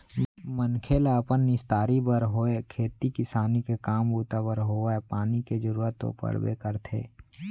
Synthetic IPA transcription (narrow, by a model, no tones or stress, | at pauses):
mənkʰeːlaəpənːɪst̪aːɾibəɾɦoːekʰeːt̪ikɪsaːnikekaːmbuːt̪abəɾɦoːaepaːniked͡ʒəɾuːɾət̪ːo̰pə̰ɽbḛkəɾt̪ʰḛː